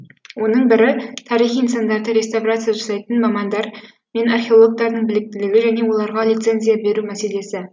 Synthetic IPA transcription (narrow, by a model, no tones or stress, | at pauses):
wo̞nəɴbɪɾɪt̪ʰɑɾiχijənsɑnd̪ɑɾd̪əɾʲe̞st̪avrat̪sɨjaʒɑsɑjt̪ənmɑmɑnd̪ɑɾ | me̞narχʲeolˠoɡ̚t̪ɑɾd̪əɴbɪlɪk̚t̪ɪlɪɡʲɪʒæne̞wo̞lˠɑɾʁɑlˠijt̪se̞nzijabe̞ɾumæse̞le̞sɪ